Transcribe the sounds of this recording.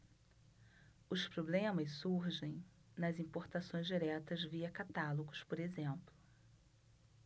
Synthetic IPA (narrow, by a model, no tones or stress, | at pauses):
ʊspɾoblẽmɐsuɾʒẽj̃ | nɐzĩpoɾt̪asõj̃zd͡ʒiɾɛt̪ɐzviɐkat̪aloɡʊspoɾezẽmplʊ